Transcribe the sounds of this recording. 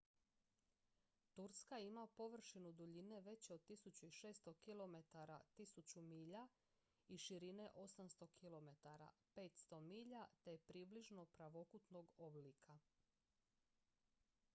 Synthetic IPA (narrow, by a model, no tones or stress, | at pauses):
t̪uɾskaimapo̞ʋr̩ʃinud̪uʎine̞ʋe̞t͡ɕo̞d̪̚t̪isut͡ɕuiʃe̞ːst̪o̞kilo̞me̞t̪aɾat̪isut͡ɕumiːʎa | iʃiɾine̞ʔo̞samst̪o̞kʰilo̞me̞t̪aɾa̰pe̞ːt̪st̪o̞miːʎat̪e̞jepɾiːbliʒno̞pɾaʋo̞kut̪no̞ɡoblikʰa